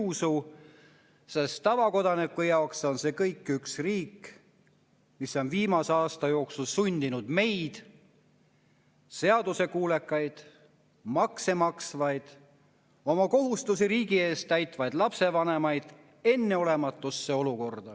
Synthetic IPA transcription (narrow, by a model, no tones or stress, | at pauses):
su | sest̪ːɑvɑko̞d̪ɑnikːujɑokso̞nse̞kɤjkːˑyksriːk | miso̞nviːmɑse̞ɑːst̪ɑjo̞ːksulsunʲd̪̥inud̪̥me̞jd̪̥ | se̞ɑd̪̥use̞kuːle̞kːˑɑjd̪̥ | mɑkse̞mɑksvɑjd̪̥ | o̞mɑko̞ɦust̪us̬iɾiːɡie̞ːst̪æjt̪ˑvɑjd̪lɑpse̞vɑne̞mɑjd̪̥ | e̞nːe̞o̞le̞mɑt̪ːˑusːe̞o̞luko̞rd̪̥ɑ